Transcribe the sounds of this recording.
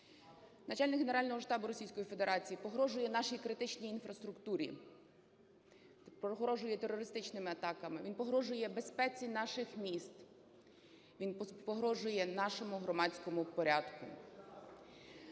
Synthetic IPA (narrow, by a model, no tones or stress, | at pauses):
nɐt͡ʃɑlʲnɪkɦeneɾɑlʲnɔɦɔʃt̪ɑbʊɾɔsʲijsʲkɔjife̞d̪eɾɑt͡sʲijipɔɦɾɔʒʊjɛnɑʃijkɾɪt̪ɪt͡ʃnʲijinfɾɐst̪ɾʊkt̪uɾʲḭ | ɔɦɾɔʒʊjɛt̪eɾɔɾɪst̪ɪt͡ʃnɪmɪɐt̪ɑkɐmɪʋinpɔɦɾɔʒʊjɛbe̞spɛt͡sʲinɑʃɪxmʲist̪ | ʋʲinpɔɦɾɔʒʊjɛnɑʃɔmʊɦɾɔmɑt͡sʲkɔmʊpɔɾʲad̪kʊ̰